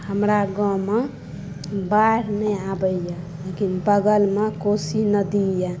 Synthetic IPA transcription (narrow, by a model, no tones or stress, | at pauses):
həmɾaɡɔ̃me | baɾnɛabəja | lekinbəɡəlmekosinəd̪ija